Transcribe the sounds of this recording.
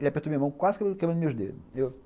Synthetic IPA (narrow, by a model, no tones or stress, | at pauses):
elɐpeɾt̪oɐmĩɐmɐ̃w̃kwazkɐ̃kɐmɐ̃d̪meuʒd̪ḛd̪ew